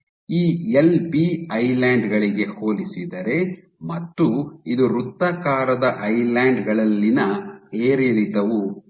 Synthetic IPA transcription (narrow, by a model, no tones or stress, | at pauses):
iːelbiɐjlaːɳɖɡɐɭiɡe̞hoːlisid̪ɐɾe̞ | mɐt̪ːuid̪uɾut̪ːɐkaːɾɐd̪ɐʔɐjlaːɳɖɡɐɭɐlːinɐeːɾilid̪ɐʋu